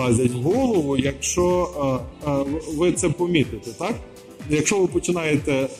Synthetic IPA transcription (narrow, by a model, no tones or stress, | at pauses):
ɑzʲɐtʲɦɔlˠɔʋʊjɐkʃt͡ʃɔ | ʋɪt̪sɛpɔmʲit̪ɪt̪ɛt̪ɑk | jɐkʃt͡ʃɔʋɪpɔt͡ʃɪnɑjet̪ɛ